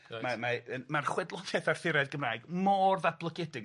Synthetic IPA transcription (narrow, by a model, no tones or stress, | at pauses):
mamaənmarχwɛdlˠɔðjɛθarfɪɾɛdɡəmraːɨɡmɔːrðab̥lˠəɡʰɛdɪɡ